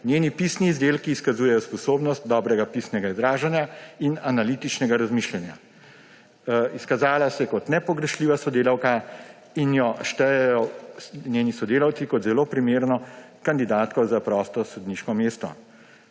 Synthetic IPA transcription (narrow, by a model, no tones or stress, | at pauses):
njenipisniːzd̪eːlkiːskazuːjɛjɔspɔsoːbnɔst̪̚d̪ɔːbɾɛɡapisnɛɡaizɾaːʒanjainanalit̪it͡ʃnɛɡaɾazmiʃlɛnja̰ | iskazaːlasɛkɔt̪nɛpɔɡɾɛʃliːʋasɔd̪eːlawka | injɔʃt̪ɛjɛjɔnʲjeːnisɔd̪eːlawt̪sikɔt̪zɛloːpɾimeːɾnɔ | kand̪id̪aːt̪kɔzapɾɔst̪ɔsɔd̪niʃkɔmeːst̪ɔ̰